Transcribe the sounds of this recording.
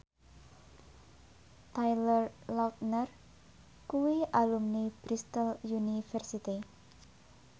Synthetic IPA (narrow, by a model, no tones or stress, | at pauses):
t̪ajlərlawt̪̚nər | kuwiʔalumnib̥ɾist̪əljunifɛrsit̪i